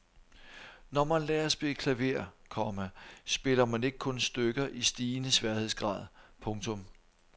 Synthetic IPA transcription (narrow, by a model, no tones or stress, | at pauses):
nɒmænlɛːɐsb̥ekʰlæʋe̝̰ːɐkʰɒ̽mæsb̥e̝lɐmæne̝ɡ̥əkʰɔ̽nsd̥øɡ̥ɐʔisd̥iːnəsʋæɐhe̝ðˠsɡ̥ʁɑ̰̈ːð̰ˠpʰɔ̽ŋt͡sʰɔ̽m